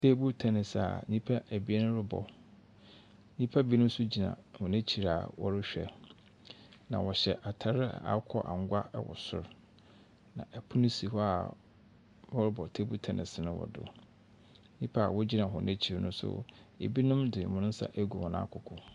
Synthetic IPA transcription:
tʰe˦bu˦tʰɛ˨nɪ̃˨sa̰˨ɲĩ˦pʰa˦ʔæ˨bi˦e˦nʊ̃˦ɾɪ˦bɔ̰˨ | ɲĩ˦pʰa˦bi˦nʊ̃˦m˦sʊ˦d͡ʑi˨nã̰˨hʊ̃˨næ̃˦t͡ɕʰi˨ɾa̰˨wɔ˦ɾɪ˦ɕᶣɛ̰˨ | nã̰˨wɔ˨ɕɛ˨ʔa˨tʰa˦ɾɪ˦˨a̰˨kʰɔ˦ʔa̰˨ŋ˦ɡʷa˦ɛ˦wɔ̰˨sʊ̰˦ɾ | nã̰˨ʔæ˨pʰu˦nɪ̃˦si˨hɔ˦a˨ | wɔ˦ɾɪ˦bɔ˨tʰe˦bu˦tʰɛ˨nʔɪ̰̃˨sɪ˨nʊ̃˦wɔ̰˨dʊ̰˨ | ɲĩ˦pʰa˦˨wɔ˦d͡ʑi˦nã˨ɦʊ̃˨nẽ˦t͡ɕʰi˨ɾnʊ̃˦sʊ̰˦ḛ˨bi˦nʊ̃˦mdɪ˨mʊ̃˦nʊ̃˦n̩˦sa̰˦ʔæ˦ɡu˨wɔ̃˨nã̰ː˦kʰʊ˨kʰʊ˨

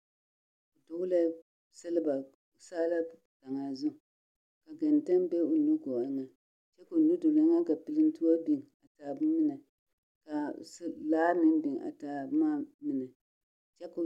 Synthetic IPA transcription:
ʊ˨dʊ˦ɡʊ˦la˦ | sɨ˦lɨ˦ba˨ | ʊ˨saː˦la˦ | ta˨ŋa˨zʊ˦˨ | ka˨ɡa˨n˨ta˦mbɛ˦ʊ˨nu˦ɡo˨a˦ŋa˦ | t͡ʃɛ˦ko˨nu˦do˨la˨˦ŋa˦ka˨pɨ˨lɨ˦n˦tu˦ɔ˦bi˨ŋ˨a˨taː˨bmi˦na˨ | ka˨slaː˦nɨ˦m˦bɪ˨ŋ˨a̰˨ta˨bmaː˦mi˦na˨ | t͡ʃɛ˦kʊ˨

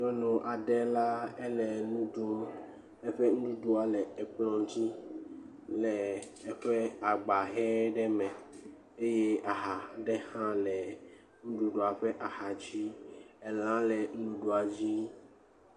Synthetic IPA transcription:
d͡ʒɔ˦nɔ̃˨ʔa˨ɖɛ˦la˦e˦lɛ˨nũ˦ɖu˦ | e˦ɸe˦ŋu˦ɖũ˦ɖu˦a˨lɛ˨ɛ˨k͡plɔ̃˦˨ŋ˦t̪i˦ | lɛ˨ | ɛ˦ɸɛ˦a˨ɡ͡ba˨ɦɛ˦ɖɛ˦mɛ˨ | e˦je˦a˨ɦa˨ɖɛ˦hã˦lɛ˨ | ŋũ˦ɖu˦ɖo˦a˨ɸɛ˦ʔa˨ha˨t͡ɕi˦e˨l̃ã˦lɛ˨ŋ̩˦lũ˦ɖu˦a˨d͡ʑi˦

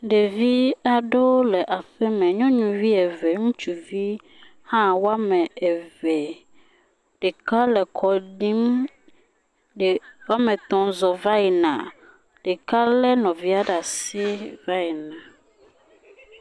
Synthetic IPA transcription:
ɖe˨vi˦a˨ɖo˦lɛ˨ʔa˨ɸɛ˦mɛ̃˨ɲɔ̃˦ɲũ˨vi˦ɛ˨ve˨ŋũ˦t͡ʃu˨vi˦ | hã˦wo˦a˦mɛ̃˨e˨ve˨ | ɖe˨ka˦lɛ˨kʰɔ˨ɖi˦m˨ | wa˦mẽ˨t̪ɔ̃˨zɔ˨va˦i˨nã̰˨ | ɖ̥e˨ka˦lɛ˦nɔ̃˨vi˦a˦ɖa˨si˦va˦i˨nã˨

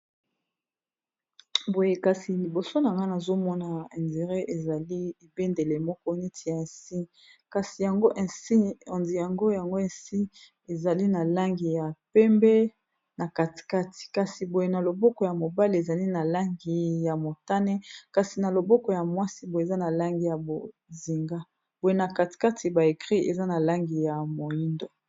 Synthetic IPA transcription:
bo˨je˨ka˨si˨li˨bo˨so˦na˨ŋɡa˦na˨zo˦mɔ˦na˨ɛ˨nde˨ʁe˦ʔe˨za˨li˦e˨be˦nde˨le˨mɔ˦kɔ˦ni˦tʰi˨ja˨ɛ˨si˦ | ka˨si˨ja˨ŋɡo˦ʔɛ˨si˦˨nzi˨ja˨ŋɡo˦ja˨ŋɡo˦e˨si˦ | e˨za˨li˦na˨la˦ŋɡi˨ja˨pɛ˦mbɛ˦ | na˨ka˨ti̥˨ka˦ti̥˨ka˨si˨bo˨je˨na˨lo˨bɔ˦kɔ˨ja˨mo˨ba˦li˨e˨za˨li˦na˨la˦ŋɡi˨ja˨mo˨ta˦nɛ˦ka˨si˨na˨lo˨bɔ˦kɔ˨ja˨mwa˦si˦bo˨za˦na˨la˦ŋɡi˨ja˨bo˨ | zi˨ŋɡa˦ | bo˨je˨na˨ka˨ti̥˨ka˦tʰi˨ba˨e˨kʁi˦ḛ˨za˦na˨la˦ŋɡi˨ja˨mo˨ji˦ndo˨

